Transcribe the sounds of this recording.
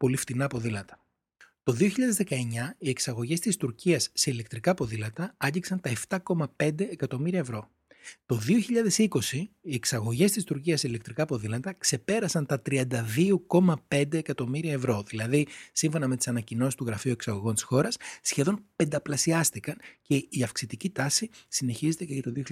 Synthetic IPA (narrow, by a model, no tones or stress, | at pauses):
po̞lift̪inɐpo̞ðilɐt̪ɐ̥ | t̪o̞ðio̞çiʎɐðe̞zðe̞kɐe̞ɲɐie̞ksɐɣo̞ʝe̞st̪ist̪uɾciɐsːe̞ile̞kt̪ɾikɐpo̞ðilɐt̪ɐɐɟiksɐnt̪ɐe̞ft̪ɐko̞mɐpe̞nd̪e̞ːkɐt̪o̞miɾiɐevɾo̞ | t̪o̞ðio̞çiʎɐðe̞siko̞siːe̞ksɐɣo̞ʝe̞st̪ist̪uɾciɐsːeile̞kt̪ɾikɐpo̞ðilɐt̪ɐkse̞pe̞ɾɐsɐnt̪ɐt̪ɾiɐnd̪ɐðio̞ko̞mɐpe̞nd̪eːkɐt̪o̞miɾiɐevɾo̞ðilɐðisiɱfo̞nɐme̞t̪i̥sɐnɐcino̞sist̪uɣɾɐfiueksɐɣo̞ɣo̞nt̪i̥sxo̞ɾɐsːçe̞ðo̞npend̪ɐplɐsiɐst̪ikɐnce̞iɐfksit̪icit̪ɐsisine̞çizet̪eceʝɐt̪oðioç